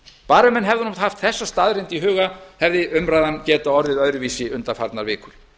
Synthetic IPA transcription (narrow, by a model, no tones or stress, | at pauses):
paːɾɛmɛnɦɛvðʏnumt̪haft̪θɛsːast̪aːðɾɪnt̪iɦʏːɣahɛvðɪʔʏmɾajðancɛːt̪aɔɾðɪðœðɾʏviːsɪʏnt̪afa̰ɾt̪naɾvɪːkʏɾ̥